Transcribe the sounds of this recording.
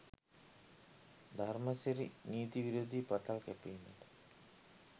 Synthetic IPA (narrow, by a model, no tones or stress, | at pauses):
d̪ʱarmɐseɾḭniːt̪iʋiɾoːd̪ʱipaʈalkɛpeːnet̪